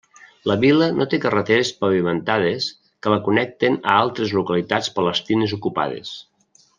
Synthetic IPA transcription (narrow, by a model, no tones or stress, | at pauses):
ləβilənot̪ekərət̪eɾespəβimənt̪að̞es | kələkunɛk̚t̪enə̰alˠt̪ɾezlukəlit̪at͡spələst̪inezukupa̰ð̞ḛs